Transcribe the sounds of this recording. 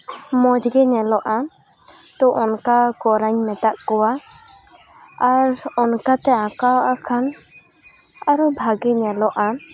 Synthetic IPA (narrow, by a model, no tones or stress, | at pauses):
mɔd͡ʒɡɛɲɛlɔʔa | t̪ɔʔɔnkakɔɾaɲmɛt̪aʔkɔwa | aɾɔnkat̪ɛãkawʔakʰan | aɾɔbʱaɡɛɲɛlɔʔa